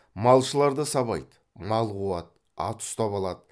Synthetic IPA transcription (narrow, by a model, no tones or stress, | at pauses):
mɑlˠʃəlˠɑɾd̪əsɑβɑjd̪ə | nɑlˠʁuɑt̪̚ | ɑ̰t̪ʰʊ̥st̪ɑβɑlˠɑd̪ə